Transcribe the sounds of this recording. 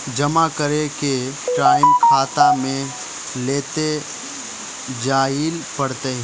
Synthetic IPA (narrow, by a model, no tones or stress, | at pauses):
d͡ʒɐmakəɾekeʈɾaːɪmkʰaːt̪amẽ | leːt̪e | d͡ʒaːɪlpɐɽt̪eɦ